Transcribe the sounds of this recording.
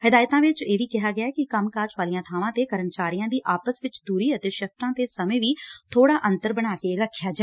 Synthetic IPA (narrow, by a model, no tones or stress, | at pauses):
hɪd̪aːjt̪ãːʋɪt͡ʃeːʋiːkɪɦaːɡɪaːkɪkəmkaːt͡ʃʋaːlijãːt̪ʰaːʋãːt̪eːkəɾənt͡ʃaːɾijãːd̪iːʔaːpəsʋɪt͡ʃd̪uːɾiːət̪eːʃəf̚ʰt̪ãːt̪eːsəmẽːʋiːt̪ʰoːɽaːʔə̃nt̪əɾbəɽ̃aːkeːɾəkʰːjaːd͡ʒaːɛ